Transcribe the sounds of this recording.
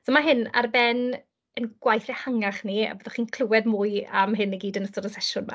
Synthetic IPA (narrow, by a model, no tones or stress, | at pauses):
soɔmaɦɪna̰rbɛn | ənɡ̥wajθɛhaŋaχnia̰boðɔχiːnkʰl̥ˠʊwɛdmuːɨa̰mɦɪniɡiːdənəstɔɾɔsɛʃʊnma̰